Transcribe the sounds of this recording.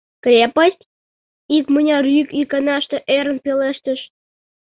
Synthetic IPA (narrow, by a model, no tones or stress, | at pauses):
krʲepəsʲtʲ | ikmənʲɑrykikɑnɑʃt̪eʔeɾə̆npʲeleʃt̪ə̆ʃ